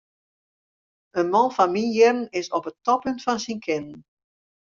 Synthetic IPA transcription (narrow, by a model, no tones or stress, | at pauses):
ənmɔnfanminjɪrən̩ɪsɔpətɔpʏntfɑnsinkʰɪnən̩